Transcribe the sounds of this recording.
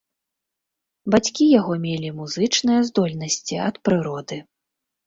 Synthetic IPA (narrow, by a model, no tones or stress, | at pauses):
bat͡sʲkʲijaɣɔmʲelʲimuzɨt͡ʂnɨjɐzd̪ɔlʲnɐsʲt͡sʲiɐt̪pɾɨɾɔd̪ɨ